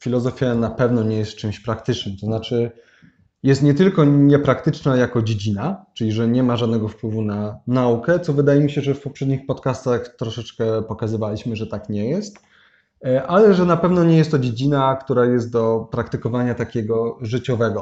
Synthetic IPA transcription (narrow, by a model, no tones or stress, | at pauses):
fʲilɔzɔfʲjanapɛvnɔɲɛjɛst̪̚t͡ʂɘmɕpɾakt̪ɘt͡ʂnɘmt̪ɔznat͡ʂɘ | jɛst̪ɲɛt̪ɘlkɔɲɛpɾakt̪ɘt͡ʂnajakɔd͡ʑed͡ʑinat͡ʂɘlʲiʐɛɲɛmaʐad̪nɛɡɔfpwɘvunanaukɛt̪sɔvɘd̪ajɛmʲiɕɛʐɛfpɔpʂɛd̪ɲixpɔt̪kast̪axt̪ɾɔʂɛt͡ʂkɛpɔkazɘvalʲiɕmɘʐɛt̪akɲɛjɛst̪ | ʔalɛʐɛnapɛvnɔɲɛjɛst̪ːɔd͡ʑed͡ʑinakt̪uɾajɛst̪̚d̪ɔpɾakt̪ɘkɔvaɲat̪akʲɛɡɔʐɘt͡ɕɔvɛɡɔ